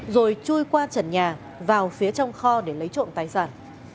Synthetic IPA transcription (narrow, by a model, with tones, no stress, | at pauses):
zo˨˩jt͡ɕu˧jkwaː˧t͡ɕə˧˩nɲaː˨˩ | vaː˨˩wfi˨˦ət͡ɕɔ˧wŋ͡mxɔ˧ɗe˧˩lə˨˦jt͡ɕo̰˧˨nt̪aː˨˦jsaː˧˩n